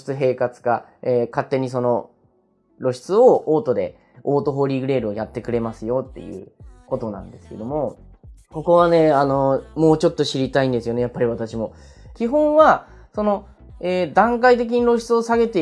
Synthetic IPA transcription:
i̥t͡sɨɦe̞ːkat͡sɨ̥kaeːkat̪ːe̞ɲ̟is̬o̞no̞ | ɾo̞ɕi̥t͡sɨo̞oːt̪o̞d̪e̞̰ | o̞ːt̪o̞ɦo̞ːɾʲiɡɯ̟ɾe̞ːɾɯ̟o̞jat̪ːe̞kɯ̟ɾe̞masɨjo̞t̪ːe̞̰jɯ̟̰ːko̞t̪o̞nã̰nd̪e̞sɨ̥ke̞d̪o̞mo̞ | ko̞ko̞β̞ane̞ano̞mo̞ːt͡ɕo̞t̪ːo̞ɕiɾʲit̪aĩnd̪e̞sɨjo̞ne̞japːaɾʲiβat̪aɕimo̞ | kʲiɦõ̞ɰ̃βa | so̞no̞ | eːd̪ãŋkait̪̬e̞k̬ʲiɲ̟iɾo̞ɕi̥t͡sɨo̞saɡe̞t̪e

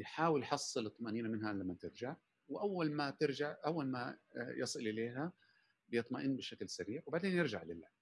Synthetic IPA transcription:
jħaːwɪljħɑsˤːɨlɨt̪ˤːɑmaʔniːnamɪnhalamːat̪ɪɾd͡ʒaʕ | wɪʔawːalmat̪ɪɾd͡ʒaʕʔawːalmajɑsˤɨlʔɪleːɦa | bjɨt̪ˤmaʔɪnːbɪʃaklsaɾiːʕwbaʕd̪eːnjɪɾd͡ʒaʕlɪlːaː

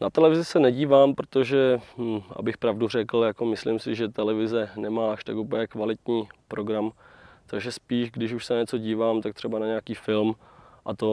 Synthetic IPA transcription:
nat̪ɛlɛvɪzɪsɛnɛɟiːvaːmpɾot̪oʒɛʔa̰bɪxpɾavdur̝ɛkl̩jakomɪslɪmsɪʒɛt̪ɛlɛvɪzɛnɛmaːaʃt̪akʔupəɲɛkvalɪt̪ɲiːpɾo̞ɡɾamt̪aɡʒɛspiːʒɡdɪʃuʃsɛnaɲɛt͡so̞ɟiːvaːmt̪ak̚t̪r̝̥ɛbanaɲɛakiːfɪlmʔat̪o

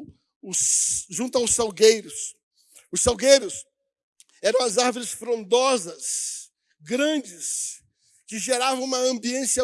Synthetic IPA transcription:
ʊsʒũt̪ʊaʊsawɡejɾʊs | ʊsawɡejɾʊs | ɛɾɐ̃w̃ɐzaɾvʊɾɪsfɾõnd̪ɔzɐs | ɡɾɐ̃d͡ʒɪs | kɪʒeɾavɐ̃w̃ũmɐɐ̃mbiẽsɪɐ

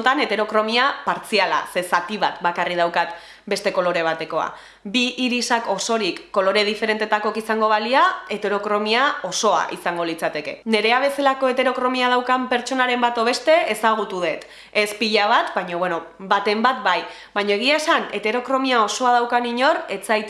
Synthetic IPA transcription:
nt̪ane̞t̪e̞ɾo̞kɾo̞miapaɾt͡siala̰se̞sat̪iβat̪bakarið̞awkat̪ | be̞st̪e̞ko̞lo̞ɾe̞β̞at̪e̞ko̞a̰ | biʔːɾisako̞so̞ɾikːo̞lo̞ɾe̞ð̞ife̞ɾe̞nt̪e̞t̪ako̞kisaŋɡo̞β̞aliae̞t̪e̞ɾo̞kɾo̞miao̞so̞a̰ʔḭsaŋɡo̞lit͡sat̪e̞ke̞̰ne̞ɾe̞aβ̞e̞selako̞e̞t̪eɾo̞kɾo̞miað̞awkampe̞ɾt͡ʃo̞naɾe̞mbat̪o̞βe̞st̪e̞esaɣ̞ut̪uðe̞t̪ | e̞spiʎaβ̞at̪baɲo̞βweno̞bat̪e̞mbat̪̚baj | baɲo̞e̞ɣ̞iaesane̞t̪e̞ɾo̞kɾo̞miao̞so̞að̞awkaniɲo̞re̞t͡sajt̪

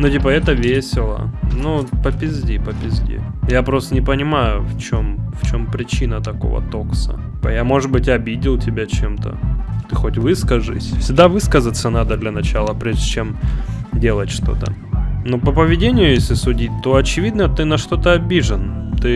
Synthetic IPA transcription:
notʲipəɛt̪əvʲesʲɪlˠə̰nupəpʲɪzʲdʲipəpʲɪzʲdʲḭjapɾost̪ənʲɪpənʲɪmajʊft͡ɕo̞mft͡ɕo̞mpɾʲɪt͡ɕinət̪ɐko̞̰və̰t̪o̞ksə̰ | pəjamo̞ʐɨt̪̚bɨtʲɐbʲidʲɪlˠtʲɪbʲat͡ɕe̞mt̪ə̰t̪ɨxotʲvɨskəʐɨ̰sʲfsʲɪɡ̚d̪avɨskəzət̪sənad̪əd̪lʲɐnɐt͡ɕalˠəpɾʲeʐdʲɪt͡ɕem | dʲe̞lˠətʲʂt̪o̞̰t̪ə̰ | nopəpəvʲɪdʲenʲɪjʊjesʲlʲɪsʊdʲit̚ʲt̪o̞ɐt͡ɕɪvʲid̪nət̪ɨnɐʂt̪o̞t̪əɐbʲiʐɨnt̪ɨ

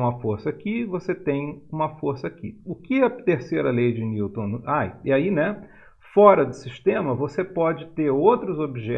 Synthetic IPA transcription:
ũmɐfoɾsɐakivoset̪ẽj̃ũmɐfoɾsɐakḭʊkɪɐt̪eɾsejɾɐlejd͡ʒɪniwt̪õajiainɛ | fɔɾɐd̪ʊsiʃt̪ẽmɐvosepɔd͡ʒɪt̪eɾowt̪ɾʊzobiʒɛ

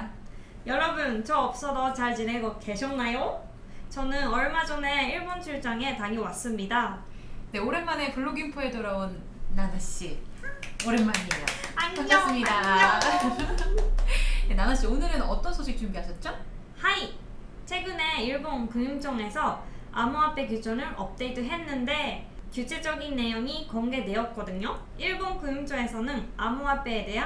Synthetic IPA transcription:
jʌɾʌbɯnt͡ɕʌʌp̚s͈ʌdʌt͡ɕaɭt͡ɕine̞ɡʌke̞ɕʰʌnːajo | t͡ɕʌnɯnʌɭmad͡ʑʌne̞iɭbont͡ɕʰuɭt͡ɕ͈aŋe̞taŋiwas͈ɯmɲida | nde̞oɾe̞nmane̞puɭːoɡinpʰoe̞toɾaonː | anaɕ͈i | oɾenmanaaɲiamɲida | enamaɕ͈ionɯɾɯnʌt͈ʌnsʰoɕʰik̚t͡ɕ͈umɡiɦaɕʰʌt̚t͡ɕ͈o | hai | t͡ɕʰe̞ɡɯne̞iɭboŋkɯŋjuŋt͡ɕ͈ʌŋe̞sʰʌ | a̰muɦap͈e̞kjud͡ʑʰonɯɾʌp̚t͈e̞iduɦe̞nːɯnde̞kjut͡ɕʰe̞d͡ʑʌɡinːe̞joŋikʌŋɡe̞ne̞ʌt̚k͈ʌdɯɲo | iɭboŋkɯŋjuŋt͡ɕ͈ʌŋe̞sʰʌnɯnamuɦap͈e̞ːde̞ɦa

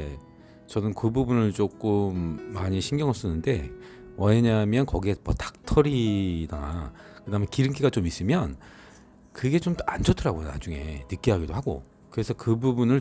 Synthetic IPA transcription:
t͡ɕʌnɯnkɯbubunɯɭt͡ɕ͈ok͈ɯmːaɲiɕʰiŋɡjʌŋʌs͈ʌnːɯnde̞ | wʌɲamjʌnkʌɡiemʌ̰tḁk̚tʰʌɾidaa̰kɯdamekiɾɯŋk̬͈ʰiɡat͡ɕomis͈ɯmjʌn | kɯɡe̞t͡ɕomtand͡ʑʌtʰɯɾaɡojona̰d͡ʑuŋe̞̰nɯk͈iɦaɡidohaɡo̰ | kɯɾe̞sʰʌkɯbubunɯɭ

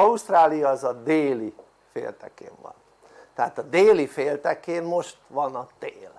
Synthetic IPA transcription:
ɒust̪raːlijɒːzɒd̪eːli | fḛːlt̪ɛ̰kḛːɱvɒ̰n | t̪ɛɦaːt̪ɒd̪eːlifeːlt̪ɛkeːmmo̞ʃt̪ʋɒnɒt̪eːl

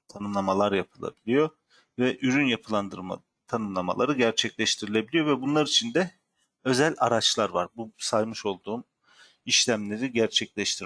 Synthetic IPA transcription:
t̪ʰanɯmlˠamalˠaɾjapʰɯlˠa̰bilʲijo̞ | vɛʔyɾynjapʰɯlˠand̪ɯɾa̰ | t̪ʰanɯmlˠama̰lˠaɾɯɟæɾt͡ʃʰɛclʲɛʃt̪ʰiɾilʲe̞bilʲijo̞vɛbunlˠaɾit͡ʃʰind̪ɛ | ø̞zælʲa̰ɾat͡ʃlˠaɾvaɾbusajmɯʃo̞lˠd̪uːm | iʃlʲæmlʲe̞ɾiɟæɾt͡ʃʰɛclʲɛʃt̪ʰiɾ

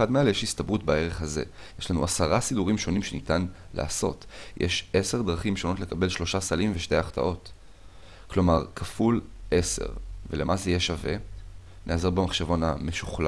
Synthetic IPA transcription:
admealjeʃist̪abʁutbae̞ʁe̞χhaze̞̰ | jeʃlanuasaʁasiduʁimʃo̞nimʃe̞nitan | la̰ːso̞̰tjʔeʃe̞se̞ʁdʁaχimʃo̞no̞tlekabe̞lʃlo̞ʃasalimveʃte̞jaχta̰ʔo̞t | klo̞maʁkʰafulʔe̞se̞̰ʁvele̞mazejeʃave̞̰ | nʔeazoʁbemaχʃevo̞name̞ʃuχla

